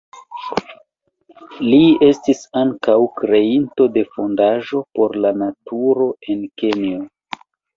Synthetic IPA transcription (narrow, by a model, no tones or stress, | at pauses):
lie̞stisaŋkawkɾe̞into̞de̞fo̞ndaʒo̞po̞ɾlanatʰuɾo̞e̞nke̞nio